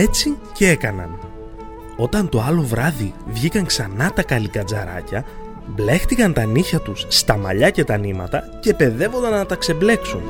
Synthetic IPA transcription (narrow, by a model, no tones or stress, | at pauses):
e̞t͡sicee̞kɐnɐ̰n | o̞t̪ɐnt̪o̞ɐlo̞vɾɐðivʝikɐŋksɐnɐt̪ɐkɐlikɐd͡zɐɾɐ̰cɐ | ble̞xt̪ikɐnt̪ɐniçɐt̪usːt̪ɐmɐ̰ʎɐce̞t̪ɐnimɐ̰t̪ɐ | ce̞pe̞ðe̞vo̞nd̪ɐnnɐt̪ɐkse̞ble̞ksun